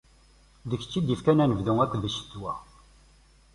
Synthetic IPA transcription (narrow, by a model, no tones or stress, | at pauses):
ðəçt͡sːid̪əfkænænəvðʊŋækːvəʃt̪wæ